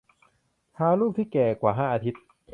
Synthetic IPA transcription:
t̪ʰaː˧luː˥˩p̚t̪ʰiː˥˩kɛː˨˩kwaː˨˩ɦaː˥˩ʔaː˧t̪ʰi˦˥t̪̚

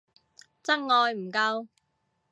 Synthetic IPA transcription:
t͡sɐ˥k̚ŋɔː˨˧jm̩˨˩kɐ˧w

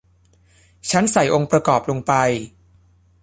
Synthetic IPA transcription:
t͡ɕʰa˦˥nsa˨˩˦jʔo˧ŋpɾa˧kɔː˨˩p̚lo˧ŋpa˧j

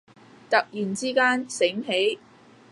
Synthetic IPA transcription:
t̪ɐ˨k̚jiː˨˩nt͡siː˥kaː˥nsɪ˨˥ŋɦe˨˥j

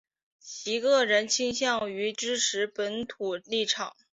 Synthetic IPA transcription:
t͡ɕʰi˧˥kɤ˥˧˩ɻə˧˥nt͡ɕʰi˥ŋɕjɑ˥˩ŋy˧˥ʈ͡ʂɻ̩˥ʂʰɻ̩˧˥pə˧˥nt̪ʰu˨˩li˥˩ʈ͡ʂʰɑ˨˩˦ŋ

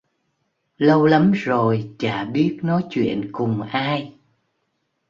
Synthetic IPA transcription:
lə˧wla˨˦mzo˨˩jt͡ɕaː˧˩ɓi˦˥ət̚nɔ˨˦jt͡ɕwḭ˧˨ənkʊ˨˩ŋ͡mʔaː˧j

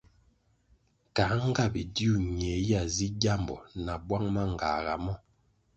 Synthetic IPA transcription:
ka˨˦ŋ˦ɡa˦˨bi˨di˦u˦˨ɲɛ˨˦ja˦˨zi˦ɟa˦˨mbɔ̰˨na˨bwa˦ŋma˦ŋ˨ɡa̰˨ɣa̰˨mɔ˦˨

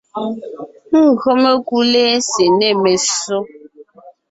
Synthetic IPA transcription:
ŋ̩˦˨ɣɰo˦me˦ku˦le˦se˨nɛ˦˨me˨so˦

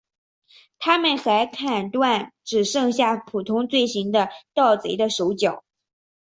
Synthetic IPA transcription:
t̪ʰa˥mə˨nxa˧˥ɪkʰa˥˩nt̪wa˥˩nʈ͡ʂɻ̩˨˩ʂɤ˥˧ŋɕja˥˩pʰu˨˩t̪ʰʊ˥ŋt͡swe˥˩ɪɕi˧˥ŋd̪ə˧t̪ɑ˥˩ʊt͡swe˧˥ɪd̪ə˧ʂo˧˥ʊt͡ɕjɑ˨˩˦ʊ

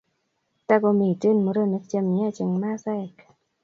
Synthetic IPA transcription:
t̪aː˧˩kɔ˧miː˧˩t͡ɕɯ˧˨nmu˧ɾɯ˧˩˨ne˦˥k̚t͡ɕe˧˨mni˧˦˥a˨t͡ɕe˧ŋmaː˥˨sɛ˧˩˨k

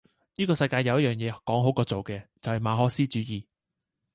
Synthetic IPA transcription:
niː˥kɔː˧sɐ˧jkaː˧jɐ˨˧wjɐ˥jœː˨˩ŋjɛː˨˧kɔː˨˥ŋɦo˨˥wkɔː˧t͡so˨wkɛː˧t͡sɐ˨whɐ˨˩jmaː˨˧ɦɔː˨˥k̚siː˥t͡ʃyː˨˥jiː˨˩

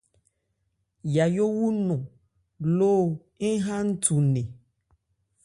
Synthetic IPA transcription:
ja˨jo˦wu˦nɔ̃˨ | lo˦ | e˦ɦã˦ŋ̩˦tu˨nẽ˨

